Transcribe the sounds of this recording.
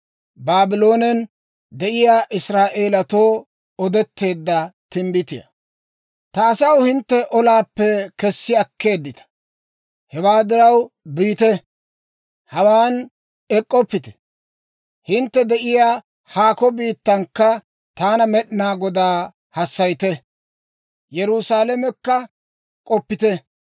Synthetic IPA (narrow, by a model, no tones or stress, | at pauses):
baːbɪlo̞ːnɛn | d̪ɛʔɪjaːʔɪsɾaːʔe̞ːlɐt̪o̞ː | ɔd̪ɛt̪ːe̞ːd̪ːɐt̪ɪmbɪt̪ɪjɐ̰ | t̪ɐːsɐwhɪnt̪ːɛʔɔlaːpːɛkɛsːɪɐkːe̞ːd̪ːɪt̪ɐ̥ | hɛwaːd̪ɪɾɐwbiːt̪ɛ | hɐwaːn | ɛkʼːɔpːɪt̪ɛ̥ | hɪnt̪ːɛd̪ɛʔɪjaː | haːkɔbiːt̪ːɐŋkːɐ | t̪aːnɐmɛɗɪnaːɡɔd̪aː | hɐsːɐjt̪ɛ | jɛɾʊsaːlɛmɛkːɐ | kʼɔpːɪt̪ɛ